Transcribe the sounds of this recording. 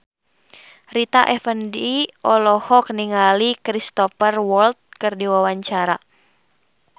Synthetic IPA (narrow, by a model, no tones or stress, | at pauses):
rit̪aʔɛfəndiʔɔlɔhɔk̚niŋalikɾist̪ɔfərwɔlt̪̚kɨrdiwawaɲt͡ʃaɾa